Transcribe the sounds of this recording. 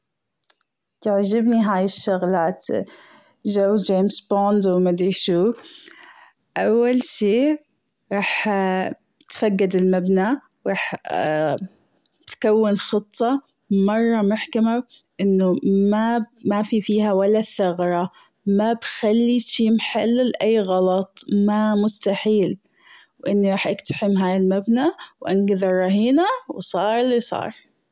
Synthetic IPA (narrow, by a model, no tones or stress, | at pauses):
t̪aʕd͡ʒɪbniɦaːjɪʃːʊɣlaːt̪ | ʒawːd͡ʒeːmsboːnd̪wmad̪iʃuː | ʔawːalʃiː | ɾˤɑːħ | t̪faɡːad̪ɪlmabna | ɾˤɑːħ | tt̪kawːɪnxɨt̪ˤːɑ | mɑrˤːɑmʊħkama | ʔɪnːʊmamafifiːhawalːaθaɣɾˤɑ | mabxalːiʃiːmħalːlʔajːɣɑlɑt̪ˤmamʊst̪aħiːl | wʔɪnːiɾɑːħʔakt̪ḁħɪmɦaːjɪlmabnawʔanɡɪðɑrˤːɑɦiːnawsˤɑːɾˤɪlːisˤɑ̰ːɾˤ